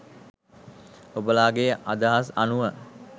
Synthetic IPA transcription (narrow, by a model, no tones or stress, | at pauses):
obəlaːɡejəʔad̪əɦasanuʋə